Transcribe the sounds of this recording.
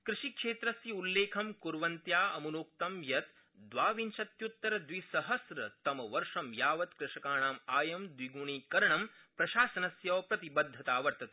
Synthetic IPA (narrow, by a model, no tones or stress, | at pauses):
kɾɪʂikʂeːt̪ɾɐsiulːeːkʰɐmkuɾʋɐnt̪jaːɐmunoːk̚t̪ɐmjɐt̪ | d̪ʋaːʋint͡ʃɐt̪jut̪ːɐɾɐd̪ʋisɐɦɐsɾɐt̪ɐmɐʋɐɾʂɐmjaːʋɐt̪kɾɪʂɐkaːɳaːmaːjɐmd̪ʋiɡuɳiːkɐɾɐɳɐm | pɾɐʃaːsɐnɐsjɐʋpɾɐt̪ibɐd̪ʱːɐt̪aːʋɐɾt̪ɐt̪i